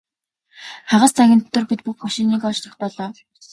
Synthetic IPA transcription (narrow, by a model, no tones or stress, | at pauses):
χaʁə̆st͡sʰæɣʲɪ̆nt̪t̪ːɵ̆rpit̪̚puxmaʃiːniːkɔt͡ɕt̪ə̆χt̪̚pɔɮɔː